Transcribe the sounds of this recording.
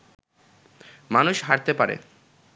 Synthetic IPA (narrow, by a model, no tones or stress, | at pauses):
manuʃɦaɾt̪epaɾḛ